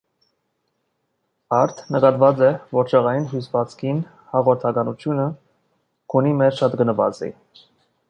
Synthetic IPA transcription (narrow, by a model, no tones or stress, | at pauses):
ɑɾt̪ʰnəkɑt̪vɑt͡sɛvɔɾt͡ʃʰɛʁɑjinɦusvɑt͡sʰkʰin | hɑʁɔɾt̪ʰɑkɑnut͡sʰjunə | kʰunimɛɾʃɑt̪ɡənəvɑ̰t͡sḭ